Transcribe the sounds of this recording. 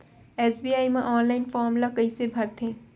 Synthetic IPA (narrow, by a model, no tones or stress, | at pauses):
eːsbiːaːimẽʔɔːnlaːɪnfɔːɾmlakɐisebʱɐɾt̪ʰẽː